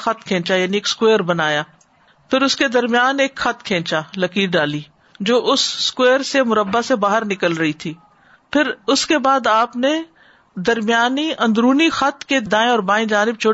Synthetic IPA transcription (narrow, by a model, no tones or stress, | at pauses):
xɐt̪̚kʰẽːt͡ʃajaːnieːkskweːɾbɐnaːjaː | pʰɪɾʊsked̪ɐɾmɪjaːneːkxɐt̪kʰẽːt͡ʃalɐkiːɖaːliː | d͡ʒoːʔʊsːkweːɾsemʊɾəbːasebaːɦəɾnɪkəlɾɐɦit̪ʰiː | pʰɪɾʊskebaːd̪aːpne | d̪ɐɾmɪjaːniʔɐ̃nd̪ɾuːnixɐt̪ked̪ãːẽɔːɾbaːĩd͡ʒaːnɪb̚t͡ʃʰʊ